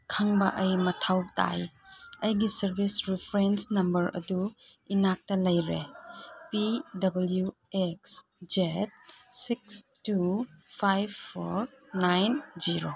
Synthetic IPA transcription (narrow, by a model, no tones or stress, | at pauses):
kʰaŋbɐʔɐjmɐtʰawta̰jɐjɡisɐɾbʱisɾipʰɾensnɐmbɐɾɐ̰duinak̚tɐlɐjɾepidɐbɐlju | eks | d͡ʒet̚sik̚stupʰajbʰoɾ | najnd͡ʒiɾo